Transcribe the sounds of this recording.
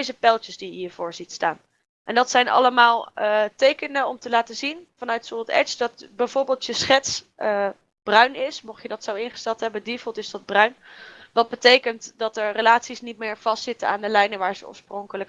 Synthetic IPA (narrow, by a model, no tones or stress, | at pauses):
jzəpɛlˠtəzdijəɦiəɹvʊːɹzitstaːn | ʔɛndɑtsɛjnɑ̰ləmaːlˠtejkənənɔmtəlaːtəzinvɑnœɥtsoɑtɛ̰sdɑtbɛjvʊːɹbɪːlˠtjəsχɛts | ə | b̥rœɥnɪsmɔχjədɑtsowɪnχəstɛlˠtɦɛbədivəlˠtɪzdɑd̚brœɥnʋɑd̚bətejkəntdɑtɛɹrəlaːtsisnit̚mɪːɹv̥ɑstsɪtəna̰ːndəlɛjnəʋaːɹz̥əɔ̰ɹsprɔŋkələk